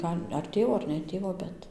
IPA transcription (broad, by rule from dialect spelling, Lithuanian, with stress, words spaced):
ˈɡɐlʲ ɐr ˈtʲeːʋoː ɐr nʲɛ ˈtʲeːʋoː ˈbʲɛt